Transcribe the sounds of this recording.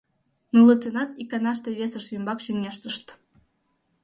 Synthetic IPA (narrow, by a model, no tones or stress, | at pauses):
nulˠət̪enɑt̪ikɑnɑʃt̪eβʲesəʃjymbɑkʃyŋnʲeʃt̪əʃt̪